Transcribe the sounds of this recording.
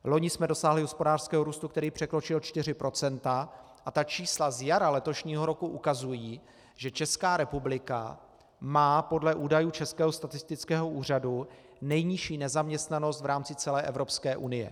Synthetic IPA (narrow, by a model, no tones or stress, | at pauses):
lo̞ɲɪsmɛdo̞saːɦlɪɦo̞spo̞daːr̥skɛːɦo̞ɾuːst̪uk̚t̪ɛɾiːpr̥ɛkɾo̞t͡ʃɪlt͡ʃt̪ɪr̝ɪpɾʔo̞t͡sɛnt̪a | ʔat̪at͡ʃiːslazjaɾalɛt̪o̞ʃɲiːɦo̞ɾo̞kuʔukazujiː | ʒɛt͡ʃɛskaːɾɛpublɪka̰ | maːpo̞dlɛʔuːdajuːt͡ʃɛskɛːɦost̪at̪ɪst̪ɪt͡skɛːɦo̞ʔuːr̝adu | nɛjɲɪʃiːnɛzamɲɛst̪nano̞st̪vɾaːmt͡sɪt͡sɛlɛːʔɛvɾo̞pskɛːʔunɪjɛ̰